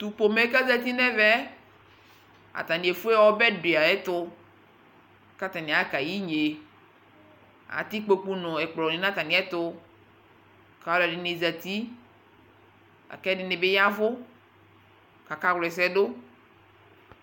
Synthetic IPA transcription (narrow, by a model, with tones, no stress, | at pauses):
t̪u˨po˨me˦ka˦zɛ˦˨t̪̬i˦nɛ˦vɛ˦ | a̰˨t̪a˨nĩ˨e˨fu˦ɛ˦wɔ˦bɛ˦di˨a˨ɛ˦t̪ʊ˦ | ka˦t̪a˨nĩ˨a˦ka˨ji˦ɲe˨ | a̰˨t̪i˦k͡po˨k͡pu˦nʊ̃˨ɛ˨k͡plɔ˨nĩ˨nã˦t̪a˨nĩ˨˦ɛ˦t̪ʊ˦ | ka˨lɛ˨ɖɪ˨nɪ˨zɛ˨t̪i˦ | a̰˨kɛ˦dɪ˨nɪ˨bɪ˦ja˦vʊ˦ | ka˨ka˦ɣlɛ˨s̬ɛ˦dʊ˦